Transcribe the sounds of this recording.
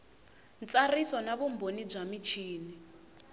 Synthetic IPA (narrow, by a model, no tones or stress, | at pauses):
nt͡sarisɔnaβumbonib͡ʐamit͡ʃʰiːni